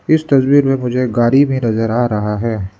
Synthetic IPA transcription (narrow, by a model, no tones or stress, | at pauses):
ɪst̪ɐsbiːɾmẽmʊd͡ʒʱeɡaːɾibɦĩnɐzəɾaːɾɐɦaɦɛː